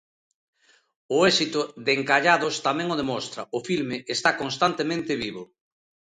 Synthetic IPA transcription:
ʊɛsit̪ʊðeŋkaʎaðʊst̪amɛ̃ŋʊð̞emɔst̪ɾɐʊfilmeʔest̪akonst̪ant̪emẽnt̪ɪβiβʊ

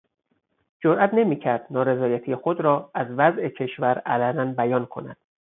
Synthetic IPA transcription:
d͡ʒoɾʔæt̪ʰne̞miːcʰæɾd̪̥nɒːɾe̞zɒːjæt̪ʰijexod̪ɾɒːæzvæzʔe̞cʰe̞ʃvæɾælænænbæjɒːnkʰo̞̰næ̰d̪̥

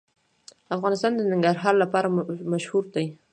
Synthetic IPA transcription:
afɣɑnɪst̪ɑnd̪ənaŋɡaɾɦɑɾlapɑɾamaʃhuɾd̪aj

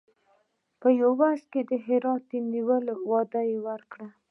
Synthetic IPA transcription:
pəjawaʂked̪əɦɪɾɑt̪̚əniwəlwɑd̪ajewəɾkɽa

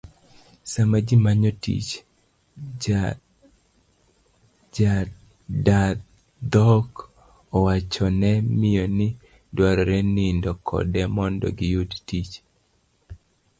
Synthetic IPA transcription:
samad͡ʒimaɲɔtḭt͡ʃ | d͡ʒa | da | d̪ɔk | ɔwat͡ʃɔnɛmɪjonɪ | dwaɾɔɾɛnɪndɔkʰɔ̰dɛmɔndɔ̰ɡijudtit͡ʃ

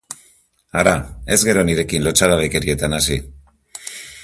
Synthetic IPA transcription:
aɾae̞zɣe̞ɾo̞niɾe̞kinlo̞t͡ʃaðaβeke̞ɾie̞t̪anasi

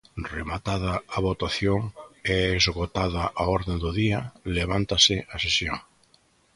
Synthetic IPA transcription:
remat̪að̞ɐaβot̪aθjoŋɛezɣot̪aðaʔaɔɾðend̪ʊðiɐleβ̞ant̪asɪʔasesjo̰ŋ

